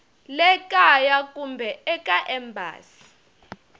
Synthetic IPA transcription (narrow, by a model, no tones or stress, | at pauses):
lɛkʼajakʼumbʱɛɛkʼaʔɛmbʱa̰ːsi̥